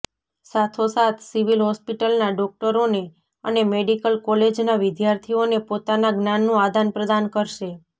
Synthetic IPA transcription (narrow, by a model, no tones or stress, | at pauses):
sat̪ʰosat̪ʰsiʋilɦɔspiʈəlnaɖɔk̚ʈəɾone | ənemeɽikəlkɔled͡ʒnaʋɪd̪jaɾt̪ʰionepot̪anaɡnanːũad̪ʱanpɾəd̪ankəɾʃe